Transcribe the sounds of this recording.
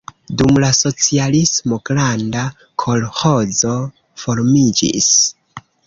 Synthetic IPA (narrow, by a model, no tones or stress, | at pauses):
dumlaso̞t͡sialismo̞ɡlanda | kʰo̞lho̞d͡zo̞ | fo̞ɾmid͡ʒḭs